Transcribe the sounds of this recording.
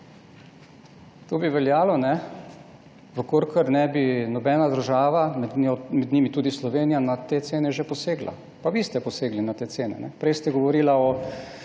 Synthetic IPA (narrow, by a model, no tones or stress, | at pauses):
t̪oːbiʋɛljaːlɔnɛ | ʋəkoɾkəɾnɛbinɔbɛːnad̪əɾʒaːʋaomɛd̪niːmit̪uːd̪islɔʋeːnijanat̪eːt̪seːnɛʒepɔseːɡla̰ | paʋiːst̪ɛpɔseːɡlinat̪eːt̪seːnɛ̰nɛ̰pɾɛjst̪ɛɡɔʋɔɾiːlaɔ